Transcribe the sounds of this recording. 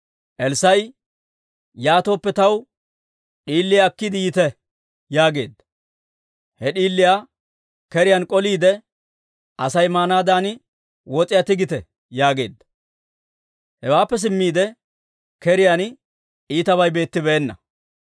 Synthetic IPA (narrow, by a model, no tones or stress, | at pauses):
ʔɛlsɐj | jaːt̪o̞ːpːɛt̪ɐw | ɗiːlːɪjakːɪd̪ɪɪt̪ɛ | jaːɡe̞̰ːd̪ːɐ | hɛɗiːlːɪja | kɛɾɪjankʼɔliːd̪ɛ | ʔɐsɐjmaːnaːd̪aːn | wɔt͡sʼɪjat̪ɪɡɪt̪ɛ | jaːɡe̞̰ːd̪ːɐ | hɛwaːpːɛs̬ɪmːiːd̪ɛ | kɛɾɪjan | iːt̪ɐβɐjbe̞ːt̪ːɪbɛɛnːɐ̰